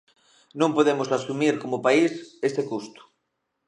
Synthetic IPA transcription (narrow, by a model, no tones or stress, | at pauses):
nõmpoðemosasumiɾkomopaisest̪ekust̪u̥